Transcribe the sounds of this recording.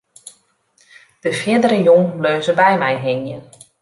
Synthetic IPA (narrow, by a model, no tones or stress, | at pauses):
d̥əfjɪədəɾəjoŋløːzəbɛjmɛjɦɪŋjən